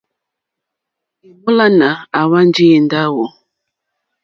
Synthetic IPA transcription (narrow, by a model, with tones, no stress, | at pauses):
i˨mu˦la˦na˨a˨wa˦n˦d͡ʒi˦e˨nda˦wɔ˨